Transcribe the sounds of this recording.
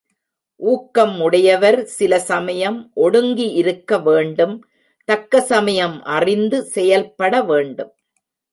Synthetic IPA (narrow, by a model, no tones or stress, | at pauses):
ʔuːkːɐmːʊɽɐjɐʋɐɾsɪlɐsɐmɐjɐmʔɔɽɯŋɡiʔɪɾɯkːɐʋeːɳɖɯm | t̪ɐkːɐsɐmɐjɐmʔɐrɪnd̪ɯsɛjɐlpːɐɽɐʋeːɳɖɯm